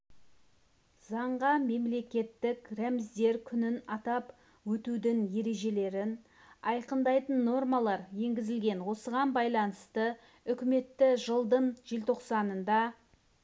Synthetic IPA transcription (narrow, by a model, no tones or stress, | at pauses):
zɑɴʁɑme̞mle̞kʲe̞t̪ːɪkremɪzd̪e̞ɾkʲʰʏnɪnɑt̪ɑp | wɵt̪ud̪ɪŋje̞ɾe̞ʒe̞le̞ɾɪn | ɑjqənd̪ɑjt̪ənːo̞rmɑlˠɑɾje̞ŋɡʲɪzɪlɡʲe̞nwo̞səʁɑnbɑjlˠɑnəst̪ə | ʏkʲɪme̞t̪ːɪʒəlˠd̪əɴʒ̥elt̪ʰo̞qsɑnənd̪ɑ